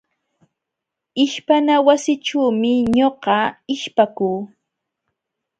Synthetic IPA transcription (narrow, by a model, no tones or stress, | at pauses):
ɪʃpanawasɪʈ͡ʂuːmɪɲoɢɑɪʃpakuː